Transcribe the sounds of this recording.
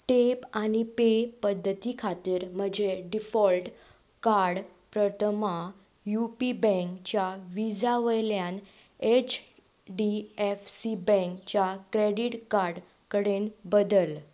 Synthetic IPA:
ʈepañipepəd̪ʱːət̪ikʰat̪iːɾm̤əd͡ʑeɖifɔlʈ | kaɾɽ | pɾət̪ʰəma | jupibɛ̃ŋkt͡ɕjaʋid͡zaʋəjljan | et͡ɕ | ɖiefsibɛ̃ŋkt͡ɕjakɾeɽiʈkaɾɽ | kəɽenbəd̪əl

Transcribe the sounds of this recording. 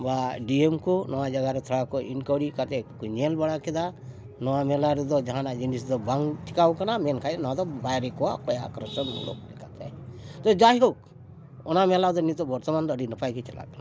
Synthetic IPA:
baɖiemkɔnɔwad͡ʒaɡaɾɛt̪ʰɔɽakɔinkɔɽikat̪ɛkuɲɛlbaɽakɛd̪a | nɔwamɛlaɾɛd̪ɔd͡ʒaɦanad͡ʒinisd̪ɔbaŋɡt͡ʃikawkanamɛnkʰajnɔad̪ɔbajɾɛkɔwakɔjaa̰kɾɔsɔnṵlo̰klɛkat̪ʰɛt̪ɔd͡ʒajɦok | ɔnamɛlad̪ɔnit̪ɔbɔɾt̪ɔmand̪ɔːɖinɔpajkit͡ʃɛla̰kana

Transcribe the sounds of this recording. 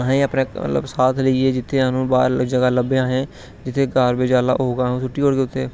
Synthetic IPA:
ɦẽːəpneːmə̰lə̰bsaːt̪ʰləieːd͡ʒɪt̪ʰːeːaːnũːba̰ːɾd͡ʒəɡaːləbeãːɦẽː | d͡ʒɪt̪ʰːeːɡaːɾbeːd͡ʒaːla̰ːɦoːɡãːɦsʊʈːiːoːɽɡeːʊt̪ʰːeː

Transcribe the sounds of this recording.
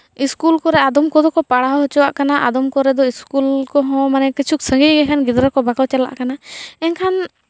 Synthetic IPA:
iskulkɔɾɛad̪ɔmkɔd̪ɔkɔpaɽaɦɔɦɔt͡ʃɔwa̰ʔkanaʔad̪ɔmkɔɾɛd̪ɔiskulkɔɦɔ̃manɛkit͡ʃʰuk̚sə̃ŋɡiɡɛkʰanɡid̪ɾakɔbaklɔt͡ʃala̰ʔkanaɛnkʰan

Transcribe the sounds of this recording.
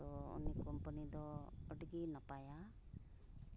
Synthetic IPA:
t̪ɔɔ̰nikɔmpənid̪ɔɔʈɡinapaja

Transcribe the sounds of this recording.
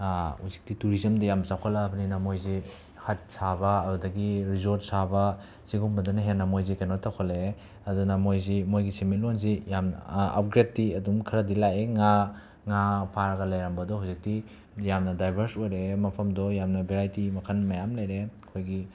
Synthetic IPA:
huzik̚tituɾizɐmdɐjamsakʰolɐːbɐninɐmojze | hɐt̚sabɐɐbudɐɡiɾizoɾt̚sabɐ | siɡumbɐdɐnɐɦenːɐmojzikajnotakʰole | ɐdunɐmojzemojɡisemellonzijamn̰ɐ̰p̚ɡɾetːiɐdumkʰɐɾɐdilajeŋa | ŋapʰaɾɐɡɐlajɾambɐdɔɦuwzik̚ti | jamnɐdajbʱɐɾsojɾemɐpʰɐmdɔjamnɐbʱeɾajtimɐkʰɐnmɐjamlɐjɾekʰojɡi

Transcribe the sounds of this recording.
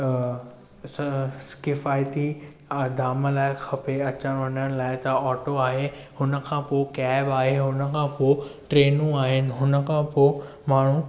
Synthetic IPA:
kɪfaːjt̪i | d̪ʱaːməlaːɪxʰɐpeɐt͡ɕəɽ̃ʋɐɲəɽ̃laːɪt̪ɐɔːʈoaːɦe | hʊnə̆kʰãːpoːkaːɪbaːɦeɦʊnəkʰãːpoːɪʈɾeːnũaːɦɪnɪ̆ɦʊnə̆kʰãːpo | maːɳ̤ũ

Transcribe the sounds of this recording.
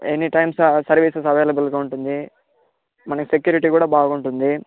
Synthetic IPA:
enːiʈɐjmssɐɾʋiːsesɐʋejlɐbulɡaːuɳʈund̪i | mɐnɐkisek̬juːɾiʈ̬iːkuːɽaːbaːɡuɳʈund̪i

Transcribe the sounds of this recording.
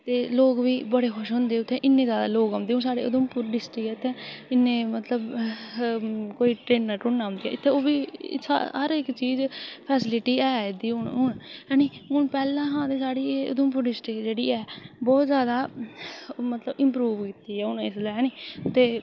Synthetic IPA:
t̪eːloːkʋiːbəɽeːkʰʊʃɦʊ̃nd̪eːʊt̪ʰːẽːʔɪnːẽːzjaːd̪a̰ːloːɡãːnd̪eːɦʊnsaːɽḛːʔʊ̰d̪ʊmpʊɾɖɪsʈɪkɛːɪt̪ʰːẽːɪnːẽːmət̪ləb | koːiːʈɾeːnːəʈʊnːãːmnd̪iːɛ̰ːɪt̪ʰːeːoːbiːa̰ɦəɾɪkt͡ʃiːzpʰɛːsɪlɪʈiːɛːd̪iːʊɳɦʊɳɦɛːniːɦʊɳpɛːlãːɦãːd̪eːsaːɽiːeʊ̰d̪ʊmp̬ʊɾɖɪsʈɪkd͡ʒeːɽiːɛːbɔːt̪zjaːd̪aː | mət̪ləbɪ̃mpɾuːʋkiːt̪iːɛːʊnɪslːɦɛːniːt̪eː

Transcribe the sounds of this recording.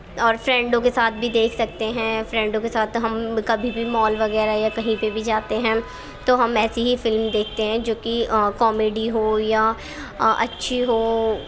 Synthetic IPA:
ɔːɾfɾɛ̃ːɳɖõkesaːt̪̚ʰbʱid̪eːkʰsɐk̚t̪eɦɛ̃fɾɛ̃ːɳɖõkesaːt̪ʰɦɐmkɐbʱibʱimɔːlʋɐɣɛːɾaɦɛjakɐɦĩpebʱid͡ʒaːt̪eɦɛ̃ː | t̪oɦɐmɛːsiɦifɪlmd̪eːk̚ʰt̪eɦɛ̃d͡ʒoːkikɔːmeːɖiɦoːjaː | ʔɐtːʃʰiɦoː

